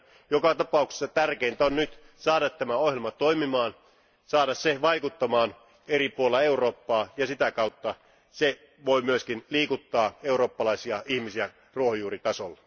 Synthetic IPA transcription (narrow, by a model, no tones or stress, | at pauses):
jokɑt̪ɑpɑˑukse̥sːɑt̪ærkeint̪æonnyt̪ | sɑːɾɑt̪ːæmæohjelmɑt̪oimimɑːn | sɑːdɑsseʋɑikut̪ːɑmɑːn | eripuolːɑeuroːpːɑːjɑsit̪ækɑut̪ːɑ | se | ʋoimyøskinliːkut̪ːɑːeuɾo̞ːpːɑlɑisiɑʔihmisiæ | ruohojuːrit̪ɑsolːɑ